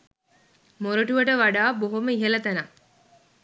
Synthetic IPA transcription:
moɾoʈuʋəʈəʋaɖaːboɦoməiɦelɐt̪ɐna

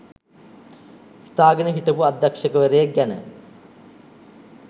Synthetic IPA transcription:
hi̥t̪aːɡənəɦiʈəpuad̪ːɐkʂəkəʋeɾejɐɡænə̰

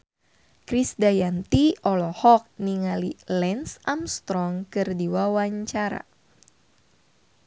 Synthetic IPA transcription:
kɾisdajant̪iɔlɔhɔk̚niŋalilɛnsamst̪ɾɔŋkɨrdiwawaɲt͡ʃaɾa̰

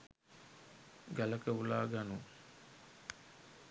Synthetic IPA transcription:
ɡæləkəulaːɡanu

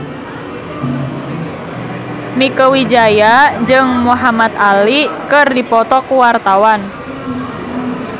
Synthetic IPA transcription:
mikəwid͡ʒajad͡ʒɨŋmuɦamat̪alikɨrdipɔt̪ɔkuwart̪awan

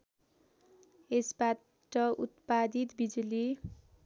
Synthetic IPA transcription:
esba | ʈʌut̪pad̪it̪bid͡zuli

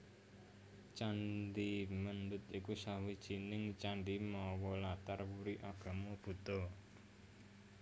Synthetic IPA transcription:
t͡ʃanɖimənd̪ʊt̪ikusawid̥ʒ̥i̤nɪŋt͡ʃanɖimɔwɔlat̪arwuɾiʔaɡ̥ä̤mob̥ṳt̪ɔ

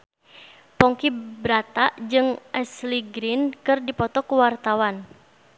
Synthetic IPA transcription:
pɔŋkibɾat̪aʔd͡ʒɨŋʔɛsliɡɾinkɨrdipɔt̪ɔkuwart̪awan

